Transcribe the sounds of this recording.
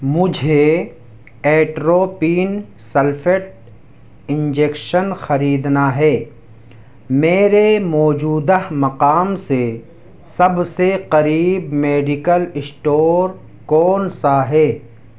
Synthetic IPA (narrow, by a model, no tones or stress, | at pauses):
mʊd͡ʒʱe | eːʈɾoːpiːn | sɐlfʰeʈ̚ | ɪ̃nd͡ʒeːkʃənxɐɾiːd̪naɦɛː | meːɾemɔːd͡ʒuːd̪əmɐqaːmse | sɐbseqɐɾiːbmeːɖɪkəlɪsʈoːɾ | kɔːnsaɦɛː